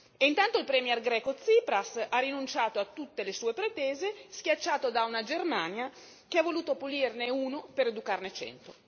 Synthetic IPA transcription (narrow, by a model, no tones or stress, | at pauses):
eint̪ant̪oilpɾɛmjɛrɡɾɛːkot̪siːpɾasarːinunt͡ʃaːt̪oat̪ːut̪ːelesuːepɾet̪ɛːzeskʲjat͡ʃːaːt̪od̪aunad͡ʒermaːnja | keavːoluːt̪opulirneuːnopeɾed̪ukarnet͡ʃɛ̰nt̪o